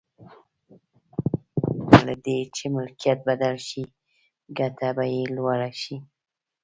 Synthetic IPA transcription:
alad̪et͡ʃemʊlkijat̪̚bad̪alʃi | ɡat̪abajelwaɽaʃi

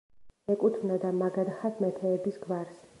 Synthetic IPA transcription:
ɛkʼut̪ʰvnad̪amaɡad̪aχasʰmɛt̪ʰɛːbisɡvaɾs

